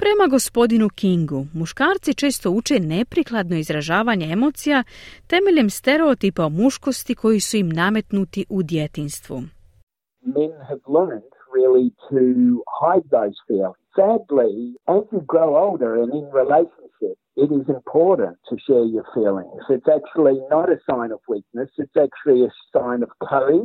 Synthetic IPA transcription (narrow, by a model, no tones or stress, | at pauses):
pɾe̞maɡo̞spo̞d̪inukiŋɡumuʃkaːɾt̪sit͡ʃe̞ːst̪o̞ut͡ʃe̞ne̞pɾiklˠad̪no̞izɾaʒaːʋaɲe̞e̞mo̞ːt̪sijat̪e̞me̞ʎe̞mst̪e̞ɾeot̪ipaomuʃko̞st̪ikʰo̞jisuimname̞t̪nut̪iʔud̪je̞t̪inst̪ʋṵ | mɛ̃nɨvlɜ̃˞nd̚ɹɪlˠitʰɨhaɪd̪̚ðoʊz̥filˠɪ̃ŋz̥sædˡliɨzjɨɡɹoʊoʊlˠdə˞ɨ̃nɪ̃nɹileɪʃə̃n̩ʃɪp̚ɪɾɪzɨ̃mpʰɔɹʔn̩tʰɨʃɛɹjə˞filˠɪ̰̃ŋz̥ɨtsæk̚t͡ʃul̩ˠinəɾɨsãɪ̃nʌvwik̚nɨsɨtsæk̚t͡ʃul̩ˠiɨsãɪ̃nʌv̥kʰoʊɪ̃ŋ